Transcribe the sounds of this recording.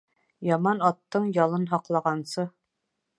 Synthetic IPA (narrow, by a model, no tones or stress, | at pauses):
jɑmɑnɑt̪ːɤɴjɑlˠɤnɦɑqlˠɑʁɑnsɤ